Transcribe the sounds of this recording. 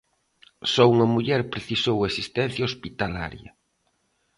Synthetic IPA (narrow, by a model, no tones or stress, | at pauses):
sɔuŋɐmuʎɛɾpɾeθisowesist̪ɛ̃n̟θjaospit̪ala̰ɾjɐ̰